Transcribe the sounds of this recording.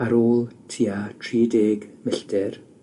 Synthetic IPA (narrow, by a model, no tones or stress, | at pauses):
aɾoːlˠtʰiːatʰriːdeːɡmɪɬdɪr